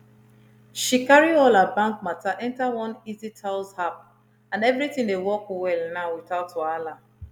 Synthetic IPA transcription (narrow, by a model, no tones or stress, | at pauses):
ʃikaɹiɔlabãŋk̚mataʔɛ̃ntawɔ̃nizitʰalzhap̚ | ãnɛvɹitĩŋdewɔkwɛlnaʊwiθaʊtɔala